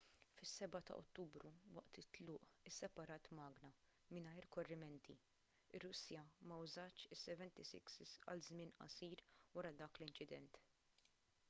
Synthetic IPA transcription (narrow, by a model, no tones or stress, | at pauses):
fɪsːɛbɐt̪ɐ̰ʔɔ̰t̪ːuːbɾuwɐ̰ʔt̪ɪt̪lʊːʔɪsːɛpɐɾɐːt̪mɐːɡnɐ | mɪnɐjɾkɔrːɪmɛnt̪ʰḭ | ɪrːʊsːjɐmɐwzɐːt͡ʃɪsːɛvɛnt̪isɪ̰ksɪsɐ̰lzmɪnɐ̰siːɾwɐɾɐd̪ɐːklɪnt͡ʃɪd̪ɛ̰nt̪